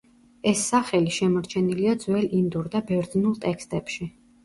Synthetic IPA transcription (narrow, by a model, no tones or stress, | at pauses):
ɛsːaχɛliʃɛmɔɾt͡ʃʰɛniliad̪zwɛlind̪uɾd̪abɛɾd̪znulˠt̪ʼɛkʰst̪ʼɛpʃi